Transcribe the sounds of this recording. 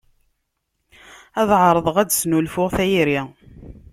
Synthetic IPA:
æðʕɾˤəðˤəʁæd̪snulfʊʁθæjiɾi

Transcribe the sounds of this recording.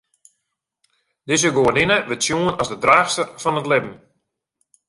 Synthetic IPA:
dɪzəɡoənɪnəʋɪtsjuənɔzdədraːxstərfɔnətlɪbm̩

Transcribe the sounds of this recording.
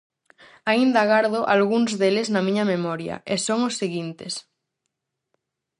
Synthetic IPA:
aind̪aɣaɾðoʔalɣuŋzðeleznɐmĩɲamemɔɾja̰ʔesoŋosːeɣint̪es

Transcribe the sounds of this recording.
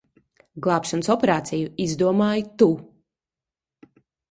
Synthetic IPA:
ɡlˠɑːpʃansɔpeɾaːt̪sʲijuizd̪uɔmaːjt̪u

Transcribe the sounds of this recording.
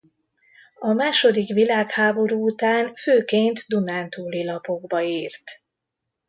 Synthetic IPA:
ɒmaːʃo̞d̪ikʋilaːkhaːbo̞ɾuːt̪aːnføːkeːnt̪d̪unaːnt̪uːlilɒpo̞ɡbɒiːrt̪

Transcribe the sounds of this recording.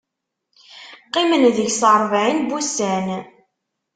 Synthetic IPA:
qːimənðəʝsəɾˤvʕinbusæn

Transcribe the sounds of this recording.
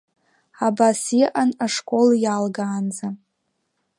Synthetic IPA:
abasiʔanaʂkʷʼo̞ljalɡaːnza

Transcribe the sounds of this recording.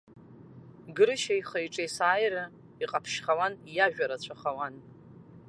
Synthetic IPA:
ɡɨɾɨʃajχajʈ͡ʂʼejsaːjɾa | iqʼapʰʃχawanjaʒᶣaɾat͡ɕʷʰaχawan

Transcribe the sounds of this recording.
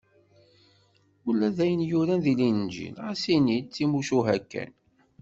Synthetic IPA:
ulːæðæjənjuɾænðilind͡ʒḭlʁasinit͡sːimuʃuɦækːæ̰n

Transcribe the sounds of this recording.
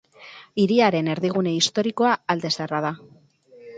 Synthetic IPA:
iɾiaɾe̞ne̞ɾðiɣ̞une̞ist̪o̞ɾiko̞aːld̪e̞seraða

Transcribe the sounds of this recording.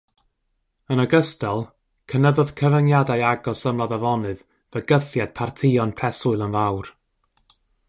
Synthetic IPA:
ənəɡəstɛlˠ | kʰənəðʊð̥kʰəvənjadajaɡɔsəmlˠaðavɔnɨð | vəɡəθjad̥̚pʰartʰɪɔnpʰrɛsʊɨlˠənvawr

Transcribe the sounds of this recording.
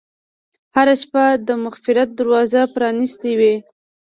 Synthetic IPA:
haɾaʃpad̪əmʊxfɪɾat̪̚d̪aɾwɑzapɾɑnist̪ewi

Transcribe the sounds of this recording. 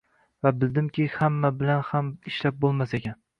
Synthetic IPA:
vabɪld̪ɪmkʲɪhamːabɪlanhamɪʃlap̚bolˠmasekʲan

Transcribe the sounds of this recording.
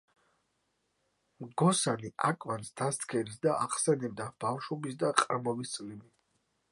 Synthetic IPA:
mɡɔsaniʔakʼvansd̪̥ast̪kʰɛɾisd̪aʔaχsɛnɛb̚d̪ab̥afʃɔbisd̪aqʼɾmɔbist̪sʼlimi

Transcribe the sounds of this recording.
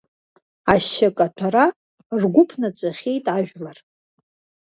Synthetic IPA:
aʃːakʼatʷʰaɾa | rɡʷʊpʰnat͡ʃʷʼaχʲe̞jtʼaʒᶣlar

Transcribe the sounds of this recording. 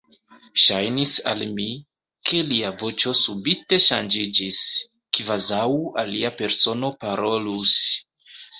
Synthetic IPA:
ʃajnisa̰lmi | kʰe̞liavo̞t͡ʃo̞subite̞ʃand͡ʒid͡ʒis | kvazawaliape̞ɾso̞no̞paɾo̞lus

